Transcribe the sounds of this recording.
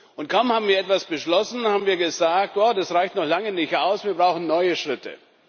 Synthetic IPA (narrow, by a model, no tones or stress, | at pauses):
ʔʊntkʰaʊmhaːbm̩viɐɛtv̥asb̥əʃlɔsn̩haːbm̩viːɐɡəzaːk̚tjodasʁaɪçtnɔχlaŋənɪçtʔaʊsviːɐbʁaʊxn̩nɔʏəʃʁ̥ɪtə̰